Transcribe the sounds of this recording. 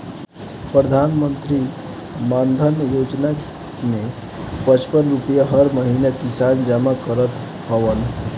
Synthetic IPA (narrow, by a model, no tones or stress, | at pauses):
pɾəd̪ʱanmənt̪ɾi | mand̪ʱənjod͡ʒna | ne | pət͡ʃpənɾupəjaɦəɾməɦinakisand͡ʒamakəɾət̪ | həʋən